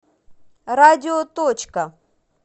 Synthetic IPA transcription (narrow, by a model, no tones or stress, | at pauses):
ɾadʲiot̪ot͡ʃka